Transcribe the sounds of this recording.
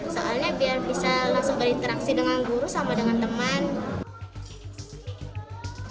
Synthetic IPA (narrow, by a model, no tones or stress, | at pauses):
so̰alɲabiarbisalaŋsɔŋbadit̪əɾaŋsinəŋaŋɡuɾusamadəŋant̪əman